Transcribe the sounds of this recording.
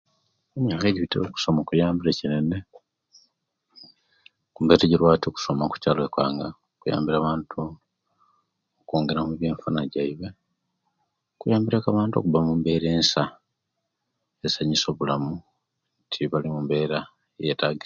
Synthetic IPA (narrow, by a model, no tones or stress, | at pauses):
eɲɲakeɟiβitio̰ku̥so̞mokujaːmbilecinene | kumbe̞teɟiɾwaːtioku̥somaku̥caːloekwa̰ːŋɡa | okuja̰ːmbiɾaːβaːntʰu | okoːŋɡe̞ɾamuβje̞ːɱfunaɟaiβe | kujaːmbiɾekaβaːntuo̰kuβamumbe̞ːɾeːnsa | esaɲiso̞ːβulamu | ntʰiβalimumbe̞ːɾa | jetaɡi